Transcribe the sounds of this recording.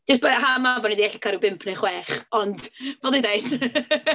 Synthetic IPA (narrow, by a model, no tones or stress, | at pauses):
d͡ʒ̥ɪs̬b̥aɦamavɔnidiɛɬikʰaɾubɪmpʰnejχwɛːχɔndvɛlˠdidejd̥